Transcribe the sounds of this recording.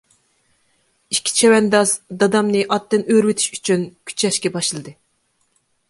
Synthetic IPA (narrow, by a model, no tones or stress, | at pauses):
ikʲʰːi̥t͡ʃʰɛwɛnd̪ɑzd̪ɑd̪ɑmnɨʔɑt̪ːɨnøɾwɪt̪ʰi̥ʃy̥t͡ʃʰynkʲʰy̥t͡ʃʰɛʃkʲɛbɑʃlˠɨd̪ɨ